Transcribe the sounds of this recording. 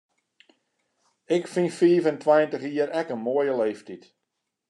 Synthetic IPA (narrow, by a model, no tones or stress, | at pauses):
ɪkfinfiːvəntʰwajəntəχiːəɾɛkənmoəjəleːftit